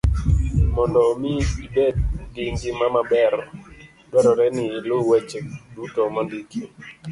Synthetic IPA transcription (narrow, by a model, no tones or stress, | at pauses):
mɔndɔmiibed̚diŋɡimamabɛɾ | dwɛɾɔɾɛnɪlʊwet͡ʃedutomandiki